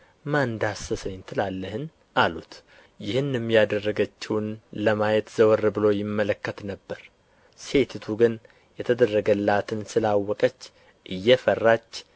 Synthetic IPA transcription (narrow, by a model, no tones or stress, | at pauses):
mand̪asəsəjɪnt̪ʰɨlalːəhɨn | ʔalṵt̪ | jɪhɨnjɛmːijad̪ərːəɡət͡ʃːɪwnləmajɛt̪z̥əwərːbɨlojɪmːələkːət̪nəbːəɾ | se̞t̪ʰɨt̪ʰuɡɨn | jɛt̪ʰəd̪ərːəɡəlːat̪ʰɨnsɨlawːɔkʼət͡ʃː | ʔɨjːɛfərːat͡ʃː